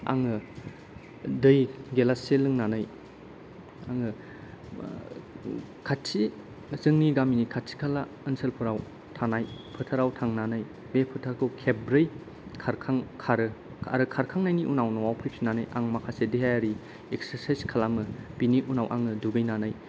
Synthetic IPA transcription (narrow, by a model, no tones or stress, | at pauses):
a̰ŋɯ | dɯjɡelaselɯŋnanɯj | a̰ŋɯ | kʰatsi | zɯŋniɡaminikʰat̚sʰi̥kʰala | ɯnselpʰɯɾaw | tʰanajpʰɯtʰaɾawtʰaŋnanaj | mepʰɯtʰaɾkʰowkʰebɾej | kʰaɾkʰaŋkʰaɾɯ | a̰ɾɯkʰaɾkʰaŋnajniʔunawnɯwawpʰɯjpʰinanɯjʔa̰ŋmakʰasediɦajaɾi | eksəɾsajskʰalamɯpiniʔunawʔa̰ŋɯduɡɯjnanaj